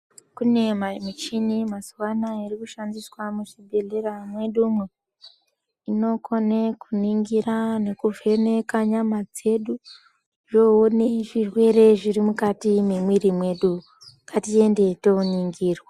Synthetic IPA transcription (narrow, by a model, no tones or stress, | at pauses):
kune̞mamut͡ʃinimaswanairikuʃandiswamuʃibʱe̞ɮeɾamwe̞ɗumwe | ino̞kʰo̞nekuniŋɡirane̞kuvʱene̞kaɲamad͡ze̞ɗu | ʐooneʐirwe̞ɾe̞ʐirimukatimemwirimwe̞ɗu | katie̞nde̞touɲiŋɡiːrwa